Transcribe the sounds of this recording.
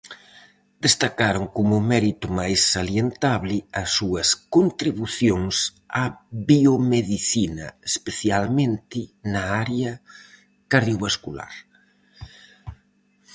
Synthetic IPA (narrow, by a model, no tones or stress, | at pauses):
d̪̥est̪akaɾoŋkomʊmɛɾit̪ʊmajsaljent̪aβlɪɐsːuɐskont̪ɾiβuθjoŋs | aβiomeðiθinɐespeθjalmẽnt̪ɪnɐaɾeɐ | kaɾðjoβaskula̰ɾ